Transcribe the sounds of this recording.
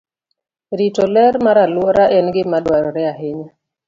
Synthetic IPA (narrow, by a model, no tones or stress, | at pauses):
ɾitɔlɛɾmaɾalwoɾʔaʔɛnɡɪmadwaɾɔɾɛaɦɪɲa